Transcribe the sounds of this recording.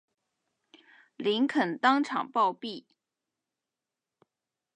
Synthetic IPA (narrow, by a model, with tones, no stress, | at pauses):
li˧˥nkʰə˨˩nt̪ɑ˥ŋʈ͡ʂʰɑ̰˨˩ŋpɑ˥˧ʊpi˥˩